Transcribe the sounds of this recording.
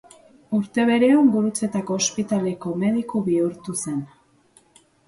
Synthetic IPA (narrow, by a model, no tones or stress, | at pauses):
uɾt̪e̞β̞e̞ɾe̞omɡuɾut͡se̞t̪ako̞ːspit̪ale̞ko̞me̞ðikuβiuɾt̪use̞n